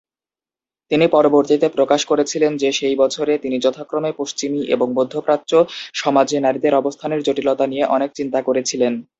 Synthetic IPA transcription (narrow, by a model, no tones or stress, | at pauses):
t̪inipɔɾoboɾt̪it̪epɾokaʃkoɾet͡ɕʰilend͡ʑeʃejbɔt͡ɕʰoɾet̪inid͡ʑɔt̪ʰakːɾomepoʃt͡ɕimiʔḛboŋbod̪ʱːopɾat̪ːt͡ɕoʃɔmad͡ʑenaɾid̪eɾɔbost̪ʰaneɾd͡ʑoʈilot̪anijeʔɔnek̚t͡ɕint̪akoɾet͡ɕʰilen